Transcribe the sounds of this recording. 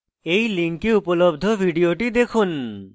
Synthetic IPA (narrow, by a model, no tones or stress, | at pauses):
ejliŋkiupolobd̪ʱobʱiɖioʈid̪ekʰun